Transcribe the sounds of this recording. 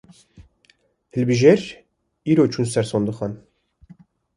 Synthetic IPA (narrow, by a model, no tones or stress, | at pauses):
hɨlbiʒeɾ | iːɾot͡ʃʰunsɛɾsond̪ɨxɑn